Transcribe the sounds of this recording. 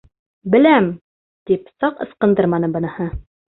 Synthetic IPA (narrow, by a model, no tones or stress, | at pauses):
bɘ̆læm | t̪ipsɑqɤ̰̆sqɤ̆nd̪ɤɾmɑnɤbɤ̆nɤ̆hɤ